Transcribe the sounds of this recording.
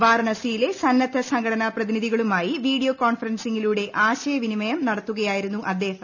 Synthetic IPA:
ʋaːɾɳɐsijile̞sɐnːɐt̪ʰːɐsɐŋɡʰɐɽɐnɐprɐðiniðʱiɣɐɭumaːjiʋiːɽijoːkoːɳfɐrɐnsiŋːiluːɽe̞ʔaːɕɐjɐʋinimɐjɐmnɐɽɐt̪ːuɣɐjaːjiɾunːuʔɐd̪ːeːhɐm

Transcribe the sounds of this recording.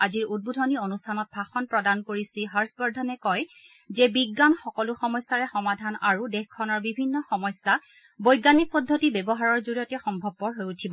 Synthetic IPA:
aziɹud̚budʱɔnionustʰanɔt̚bʱaxɔnpɹɔdankoɹisiɦaɹsbɔɹdʱɔnɛkɔj | zɛbiɡːanxɔkɔlʊxɔmɔjsːaɹɛxɔmadʱanaɹudɛxkʰɔnɔɹbibʱinːɔxɔmɔjsːa | bojɡanik̚pɔdʱːotibɛbɔɦaɹɔɹzoɹijɔtɛxɔmbʱɔbːɔɹɦojutʰibɔ

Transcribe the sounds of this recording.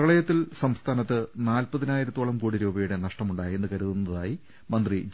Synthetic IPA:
ɐɭɐjɐt̪ːilsɐmst̪ʰaːnɐt̪ːɨnaːlpɐðinaːjiɾɐt̪ːoɭɐmkuːɽiɾuːbɐjuɽe̞nɐʂʈɐmuɳɖaːje̞nːɨkɐɾuðunːɐðaːji | mɐnd̪ri

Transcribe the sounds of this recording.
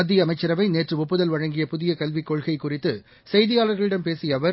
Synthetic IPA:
ɐd̪ːɪjɐmɐɪt͡ʃːɐɾɐʋɐɪneːʈrɯʊpːɯðɐlʋɐɻɐŋɡɪjɐpʊðɪjɐkɐlʋikːɔɻɣɐɪkːʊrɪt̪ːɯ | sɛɪðɪjaːlɐɾɣɐɭɪɽɐmpeːsɪjɐʋɐɾ

